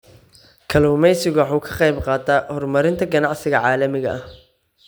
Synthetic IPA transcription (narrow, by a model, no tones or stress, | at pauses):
kʰɐluːmɛjsɪɣʊwħuːkʰɐ̥qɑjbqɑːd̪aːhɔrmɐɾɪnt̪ʰɐɡɐnɑʕsɪɣɐʕɑːlɐmɪɣɐ̰ʔɐh